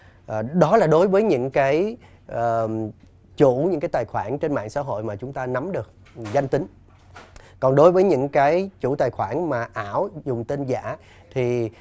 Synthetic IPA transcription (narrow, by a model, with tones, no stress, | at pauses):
ʔəː˨˩ɗɔ˨˦laː˨˩ɗo˨˦jvəː˨˦jɲɨ̰˧˥ŋkaː˨˦j | ʔəː˨˩ | t͡ɕu˧˩˥ɲɨ̰˧˥ŋkaː˨˦jt̪aː˨˩jxwaː˧˩nt͡ɕe˧nma̰ː˧˨ŋsa̰ː˧˥ɦo̰˧˨jmaː˨˩t͡ɕʊ˨˦ŋ͡mt̪aː˧na˨˦mɗɨ˨˩ək̚ | za˧jŋ̟t̪ï˨˦ŋ̟ | kɔ˨˩nɗo˨˦jvəː˨˦jɲɨ̰˧˥ŋkaː˨˦jt͡ɕṵ˧˩˥t̪aː˨˩jxwaː˧˩nmaː˨˩ʔaː˧˩˨wzʊ˨˩ŋ͡mt̪e˧nza̰ː˧˥ | t̪ʰi˨˩